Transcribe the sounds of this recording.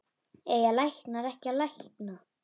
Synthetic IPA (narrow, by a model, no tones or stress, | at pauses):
eːjalajhknaɾɛhcalajhkna